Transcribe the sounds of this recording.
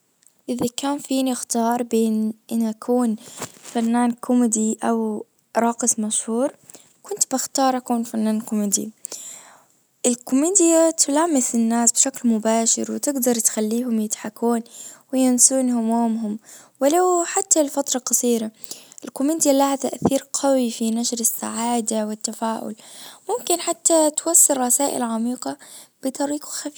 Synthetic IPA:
ʔɪðakaːnfiːnixt̪ɑːɾˤbeːnʔɪnʔakʰuːnfanːaːnkʰʊmɪd̪iʔaw | ɾˤɑːqɪsˤmaʃhuːɾˤ | kʊnt̪bɪxt̪ɑːɾˤʔakuːnfanːaːnkʊmɪd̪ḭ | ʔɪlkʊmiːd̪jat̪ʰʊlaːmːɪsɪnːaːsbʃaklmʊbaːʃɪ̰ɾwɪt̪ɪɡd̪ɑɾˤt̪xalːiːɦʊmjɪt̪ħakuːnwɪjɪnsuːnhʊmoːmɦʊm | wɪlawħat̪ːalfat̪ɾˤɑqɑsˤiːɾaʔɪlkʊmiːd̪ijalaːʕazaʔaθiːɾqʰɑwifinaʃɾɪsːa̰ʕaːd̪awɪt̪ːafaːʔʊ̰lmʊmkɪnħat̪ːat̪wɑsˤːɨɾˤɾˤɑsaːʔɪ̰lʕamiːqɑb̥ɪt̪ˤɑɾiːqaxa

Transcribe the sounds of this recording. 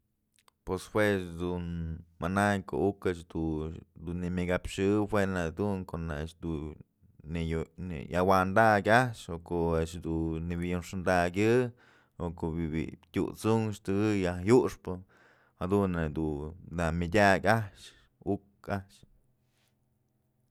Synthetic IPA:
pweshwesd̪unmanajko̰ukaʔʂd̪ud̪unːimʲiɡapʂɨhwenad̪uŋkoʔnaʃd̪u | nejnḛjawand̪akʲaʂokoʔeʔʃd̪unibijunʂɨnd̪aɡʲɨ | okoʔbibḭt̪ʲṵt͡suŋʃt̪ɨɡɨjahjuʂpɨ | had̪unːad̪ud̪amʲidʲakʲaʂ | uk | aʔʃ

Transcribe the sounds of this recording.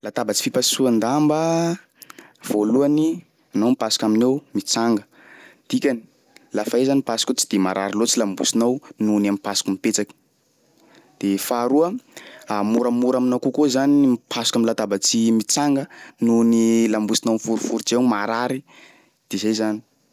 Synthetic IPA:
lat̪abət͡si̥fipasuand̪ambə | v̥oluani | anomipasu̥kaminewmit͡saŋɡə | d̪̥ikʲani̥ | lafaezanipasu̥kot͡si̥d̪̥emaɾa̰ɾilot͡silambṵsinawnunamipasu̥kumipet͡sakə̥ | d̪̥efaɾuəamuɾamuɾaminakukozanimpʰasukamlat̪abət͡simit͡saŋɡənunilambusinawnifuɾifuɾid͡ʒewmaɾaɾi | d̪̥ezajzani̥

